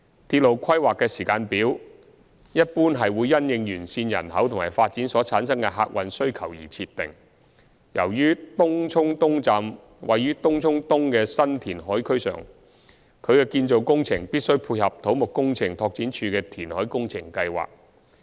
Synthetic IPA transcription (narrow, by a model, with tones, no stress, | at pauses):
t̪ʰi˧t̚lo˨wkʰɐ˥jwaː˨kːɛː˧siː˨˩kaː˧npiː˨˥w | jɐ˥t̚puː˥nɦɐ˨jwuː˨˧jːɐ˥njɪ˨˧ŋjyː˨˩nsiː˧njɐ̰˨˩nɦɐ˨˥wt̪ʰʊ˨˩ŋmaː˨˩jfaː˧t̚t͡si˨˥nsɔː˨˥t͡sʰaː˨˥nsɐ˥ŋkɛ˧ɦa̰ː˧k̚wɐ˧nsɵ˥ɥkʰɐ˨˩wjḭː˨˩t͡sʰiː˧t̪ːɪ˨ŋ | jɐ̰˨˩wjyː˥t̪ʊ˥ŋt͡sʰʊ˥ŋt̪ʊ˥ŋt͡saː˨˧m | wɐ˨jɥyː˥t̪ʊ˥ŋt͡sʰʊ˥ŋt̪ʊ˥ŋkɛː˧sɐ˥nt̪ʰiː˨˩nɦɔː˨˥jkʰɵ˥ɥsœ̰ː˨˩ŋ | kʰɵ˨˧ɥkɛː˧kiː˧nt͡so˨wkʊ˥ŋt͡sʰɪ˨˩ŋpiː˥t̚sɵ˥ɥpʰuː˧jhɐ˨p̚t̪ʰo˨˥wmʊ˨kkʊ˥ŋt͡sʰɪ˨˩ŋt̪ʰɔː˧k̚t͡siː˨˥nt͡ʃʰyː˧kɛː˧t̪ʰiː˨˩nhɔː˨˥jkʊ˥ŋt͡sʰɪ˨˩ŋkɐ˧jwa̰ː˨k̚